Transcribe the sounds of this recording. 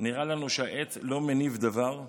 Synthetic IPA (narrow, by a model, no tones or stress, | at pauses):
niʁalanuʃeaʔet̪lo̞menivd̪avaʁ